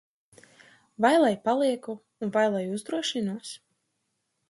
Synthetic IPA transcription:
vajlˠajpalˠiɛkuːnvajlˠajuzd̪ɾuɔʃinuɔs

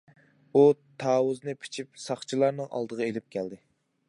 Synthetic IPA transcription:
ut̪ʰɑːwuznɨpʰi̥t͡ʃʰip̚sɑχt͡ʃʰilˠɑɾnɨŋʔɑ̰lˠd̪əʁɑelɪp̚kʲʰɛld̪ɪ

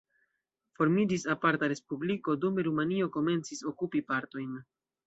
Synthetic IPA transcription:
fo̞ɾmid͡ʒisapaɾtaɾe̞spubliko̞dumeɾumanio̞ko̞me̞nt͡siso̞kupipaɾto̞jn

